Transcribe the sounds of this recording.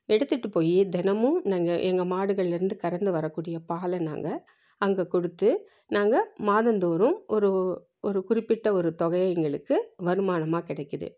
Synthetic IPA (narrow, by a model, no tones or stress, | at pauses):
ɛɽɯt̪ːɯʈːɯpoːjid̪ɛnɐmɯ̃naːŋɡɐʔɛŋɡɐmaːɽɯɣɐɭɪlɪɾɯnd̪ɯkɐɾɐnd̪ɯʋɐɾɐkːuːɽɪjɐpaːlɐna̰ːŋɡɐ | ɐŋɡɐkɔɽɯt̪ːɯ | naːŋɡɐmaːðɐnd̪oːɾɯ̃mʔɔɾɯ | ɔɾɯkʊrɪpːɪʈːɐɔɾɯt̪ɔɣɐjɐɛŋɡɐɭɯkːɯʋɐɾɯmaːnɐmaːkɪɽɐɪkːɐðɯ̰